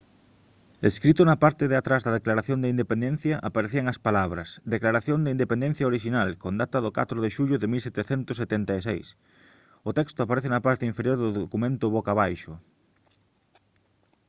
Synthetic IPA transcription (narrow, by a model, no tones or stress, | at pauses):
eskɾit̪ʊnɐpaɾt̪eðeat̪ɾazðɐðeklaɾaθjond̪aind̪epẽnd̪ẽn̟θjɐʔapaɾeθiɐŋɐspalaβ̞ɾɐ̰sd̪eklaɾaθjoŋd̪ɪind̪epend̪ẽn̟θjaoɾiʃinalkond̪at̪ɐðʊka̰t̪ɾoðeʃuʎʊðemilsɛt̪eθɛnt̪ʊset̪ɛnt̪aesḛjs | ʊt̪ɛkst̪ʊapaɾɛθenɐpaɾt̪ɪiɱfeɾjoɾðoðokumẽnt̪ʊβokaβajʃʊ